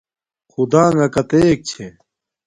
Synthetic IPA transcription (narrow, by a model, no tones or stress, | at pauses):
xud̪ãːŋɡɐkɐt̪eːk̚t͡ɕʰe